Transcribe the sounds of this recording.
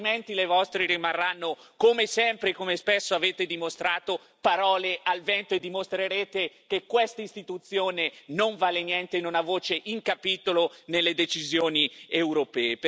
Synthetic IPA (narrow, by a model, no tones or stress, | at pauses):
ment̪ilevɔst̪ɾeɾimarːanːokomesɛmpɾekomespesːoaveːt̪ed̪imost̪ɾaːt̪o | paɾɔːlealvɛnt̪oed̪ːimost̪ɾeɾeːt̪ekekːwest̪aist̪it̪ut̪sːjoːnenoɱvaːlenjɛnt̪enunavoːt͡ʃeʔiŋkapiːt̪olonelːed̪et͡ʃizjoːniewɾopɛːep